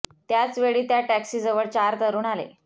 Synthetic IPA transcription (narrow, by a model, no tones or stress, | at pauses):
t̪jat͡sʋeɭiːt̪jaʈæksiːd͡zəʋəɭt͡ɕaɾt̪əɾuːnalḛ